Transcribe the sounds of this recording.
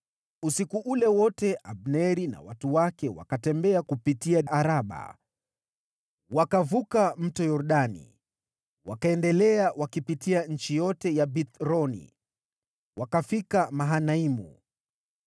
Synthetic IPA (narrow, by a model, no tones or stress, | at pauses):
usikuʔulɛwɔtɛʔabnɛɾina̰watuwakɛwa̰katɛmbɛakupitiaaɾaɓa̰ | wakavukam̩tɔjɔɾɗanḭ | wakaɛndɛlɛawakipitiaɲ̩t͡ʃijɔtɛjabit̪ɾɔnḭ | wakafikamaɦanaimṵ